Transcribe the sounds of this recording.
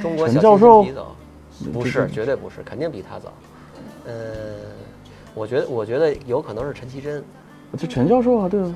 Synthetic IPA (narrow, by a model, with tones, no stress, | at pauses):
ʈ͡ʂʊ˥ŋkwɔ˧˥ə˧˥n˥t͡ɕjɑ˥˧ʊʂo˥˩ʊ̰˨˩˧ | pu˧˥ʂɻ̩˥˩t͡ɕt͡ɕɥɛ˧˥we˥˩ɪpu˧˥ʂɻ̩˥˩kʰə˨˩nt̪i˥˩ŋpi˨˩t̪ʰa̰˥t͡sɑ̰˨˩˦ | wɔ˨˩t͡ɕɥɛ˧˥d̪ə˧wɔ˨˩t͡ɕɥɛ˧˥d̪ə˧jo˧˥ʊkʰɤ˨˩nɤ˧˥ŋʂɻ̩˥˩ʈ͡ʂʰə˧˥nt͡ɕʰi˧˥ʈ͡ʂə˥n˧˩ | t͡ɕʰʈ͡ʂʰə˧˥nt͡ɕjɑ˥˧ʊʂ̬o˥˩ʊxa˧˩t̪we˥˩ɪ